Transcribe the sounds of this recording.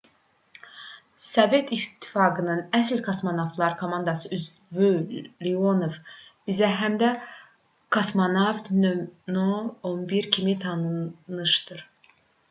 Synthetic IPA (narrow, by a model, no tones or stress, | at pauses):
sove̞t̪ʰit̪ʰːi̥fɑːɡɯnɯnæsilkʰɑsmonovt̪ʰlˠɑɾkʰomɑnd̪ɑsɯyzvylionovb̥izæɦæmd̪æ | kʰɑsmonɑvt̪nønoonbiɾcʰimit̪ʰɑnɯnɯʃd̪ɯɾ